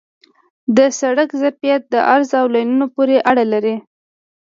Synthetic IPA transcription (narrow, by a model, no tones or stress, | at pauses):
d̪əsaɽakzapijat̪̚d̪əʔaɾzawlajnunopoɾeʔaɽalaɾi